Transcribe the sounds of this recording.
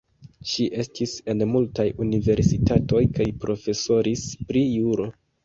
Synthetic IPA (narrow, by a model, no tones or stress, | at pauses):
ʃiʔe̞stʰise̞nmultajunive̞ɾsitato̞jkajpɾo̞fe̞so̞ɾispɾijuɾo̞